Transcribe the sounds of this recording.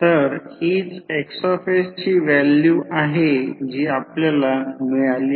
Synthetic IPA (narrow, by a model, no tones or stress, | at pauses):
t̪əɾid͡zeksɔɾfest͡ɕiːʋæljuʔaɦed͡ʑiːapljalamijali